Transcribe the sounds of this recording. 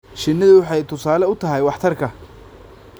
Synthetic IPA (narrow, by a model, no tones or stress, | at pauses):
ʃɪnːɐðʊwɑħɑjt̪ʰʊsaːlɛʊt̪ʰɐɦɛjwɑħt̪ʰɐrkʰɐ